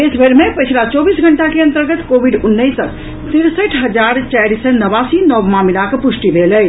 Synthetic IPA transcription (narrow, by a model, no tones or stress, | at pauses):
esbʱeɾmepət͡ʃʰilat͡ʃɔbisɡʱəɳʈakeə̃nt̪əɾɡət̪kobʱiɖunːəjsək | t̪iɾsəʈʰɦəd͡ʒaɾt͡ʃaɾisənəbasinɔʋmamilakpusʈibʱeləj